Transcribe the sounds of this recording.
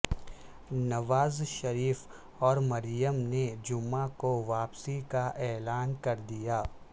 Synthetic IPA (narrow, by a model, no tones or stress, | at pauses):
nɐʋaːzʃɐɾiːf | ɔːɾmɐɾjəmned͡ʒʊmːakoʋaːpsikaʔɛːlaːnkɐɾd̪ijaː